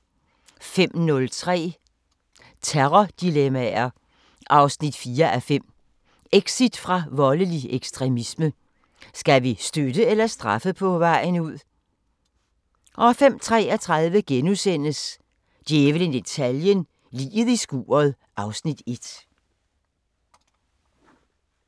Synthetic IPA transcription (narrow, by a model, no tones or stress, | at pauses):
fem̰nɔ̽lt͡sʰʁɛ̰ː | t͡sʰeʁɒd̥ilemæɐ | ʔɑ̈ʊsnid̥fiːɐʔæfem̰ | eɡ̥sid̥fʁɑ̈ʋɒ̽ləlieɡ̥sd̥ʁɛmismə | sɡ̥æʋisd̥ød̥əelɐsd̥ʁɑfəpʰɒ̽ʋɑ̈ɪ̰nuð̰ˠ | ʔɒ̽fem̰t͡sʰʁɛ̰ːɒt͡sʰʁaðˠʋəɡ̥enusen̰əs | d̥jeːʋlənd̥e̝t͡sʰæljən | lḭːð̞̩ˠisɡ̥ṵːɐð̩ˠ | ʔɑ̈ʊsnid̥e̝d̥